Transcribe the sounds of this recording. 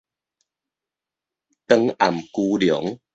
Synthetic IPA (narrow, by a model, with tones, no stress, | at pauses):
t̪ə˧ŋa˨˩mku˧ljɔ˨˩˦ŋ